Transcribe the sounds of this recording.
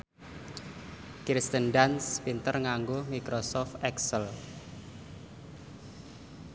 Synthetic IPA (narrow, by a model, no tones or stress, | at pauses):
kɾist̪ənɖanspint̪ərŋaŋɡomikɾosɔft̪ɛksəl